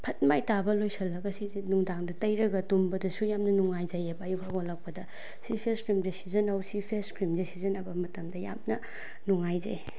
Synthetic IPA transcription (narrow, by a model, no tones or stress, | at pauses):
pʰɐt̚majtabɐlojsʰɐlːɐɡɐsizinuŋdaŋdɐtɐjɾɐɡɐtumbɐdɐsujamnɐnuŋːajd͡ʒɐjebɐːjukʰaɡolɐk̚pɐdɐ | sipʰeskɾimdɐsizɐnɐwsipʰeskɾimdɐsizɐnɐbɐmɐtɐmdɐja̰mnɐ | nuŋajza̰j